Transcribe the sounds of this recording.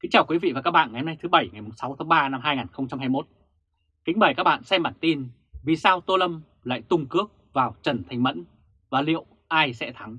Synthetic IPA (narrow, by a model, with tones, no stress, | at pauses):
kï˨˦ŋ̟t͡ɕaː˨˩wkwi˨˦vḭ˧˨vaː˨˩kaː˦˥k̚ɓa̰ː˧˨ŋa˨jhə˧na˧jt̪ʰɨ˨˦ɓə˧˩jŋa˨˩jmo˨˩sa˨˦wt̪ʰa˨˦ŋɓaː˧na˧mɦaː˧jŋaː˨˩nxə˧wŋ͡mt͡ɕa˧mɦaː˧jmo˦˥t̚ | kï̟˨˦ɓə˨˩jkaː˦˥k̚ɓa̰ː˧˨nsɛ˧mɓa̰ː˧˩nt̪i˧n | vi˨˩saː˧wt̪o˧lə˧m | la̰ː˧˨jt̪ʊ˧ŋ͡mkɨ˦˥ək̚vaː˨˩wt͡ɕə˨˧˩nt̪ʰa˨˩ŋ̟mə̰˧˥n | vaː˨˩lḭ˧˨ə˨w | ʔaː˧jsɛ̰˧˥t̪ʰa˨˦ŋ